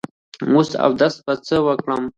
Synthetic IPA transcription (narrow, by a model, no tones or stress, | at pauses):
usa̰wd̪ast̪̚bat͡səwəkɽəm